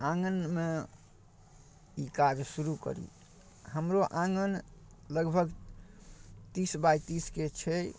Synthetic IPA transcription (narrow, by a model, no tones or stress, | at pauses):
ãŋɡənme | ikad͡ʒsuɾukə̰ɾḭ | həmɾoʔãŋɡən | ləɡbʱəɡ | t̪isbajt̪isket͡ʃʰɛ